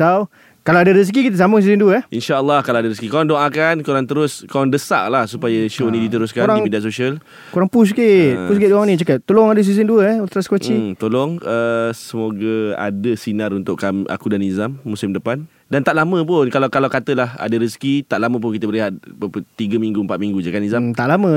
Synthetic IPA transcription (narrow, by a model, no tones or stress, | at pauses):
saw | kalawadəɾis̬k̬ikit̪̬əs̬aməs̬izənduəinʃaəlːɔhkalawadaɾiskikoɾaŋdoʔakankoɾaŋt̪əɾʊskoaŋdəsa̰ʔlahsupajəʃonĩdit̪əɾʊskaoɾaŋimidiaʔsoʃial | koɾaŋpus̬kiʔʔpus̬kɪʔdoanĩt͡ʃakap̚t̪olɔŋadəs̬izənduəɔlt̪ɾaskwət͡ʃit̪olɔŋəsəmoɡəa̰dəsinaɾunt̪ʊʔkamʔa̰kudanizamːusɪmdəpan | dant̪aʔlamə̃p̬ʊnkalawkalawkat̪əlaha̰dəɾiskit̪aʔlaməp̬ʊnkit̪əbəɾiɦat̪̚əpət̪iɡəmiŋɡuəmpat̪̚miŋɡud͡ʒakanizamt̪aʔlamə̃